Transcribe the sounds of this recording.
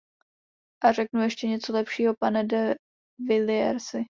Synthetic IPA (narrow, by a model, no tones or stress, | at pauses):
ʔarɛknujɛʃcɛɲɛt͡so̞lɛpʃiːɦo̞panɛdɛ | vɪlɪɛɾsɪ